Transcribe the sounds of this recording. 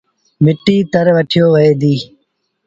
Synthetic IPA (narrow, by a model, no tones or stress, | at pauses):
mɪʈːiːt̪əɾʋəʈʰɪjoːʋəeːd̪iː